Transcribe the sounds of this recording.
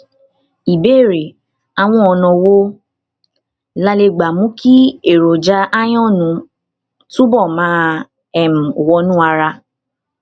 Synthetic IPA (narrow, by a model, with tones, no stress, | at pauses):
i˨be˦˨ɾe˨ | a˨w̃ɔ̃˧ɔ˧nɔ̃˧˨wo˦ | la˧le˧ɡ͡ba˨mũ˦kʰi˦e˨ɾo˨d͡ʒa˨˧ʔa˦j̃ɔ̃˦˨nũ˨˦ | tũ˦bɔ˦˨mã˨˦ | ɛ˦˨mũ˨wɔ˧˦nũ˦a˧ɾa˧